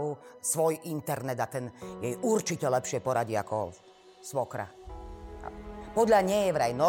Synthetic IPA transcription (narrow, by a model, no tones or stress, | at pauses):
usʋɔjint̪ɛɾnɛd̪at̪ɛnjɛjʔuɾt͡ʃicɛlɛpʃɪɛpɔɾaɟia̰kʰɔ̰ | sʋɔkɾa̰ | pɔd̪ʎaɲɛjɛʋɾajnɔ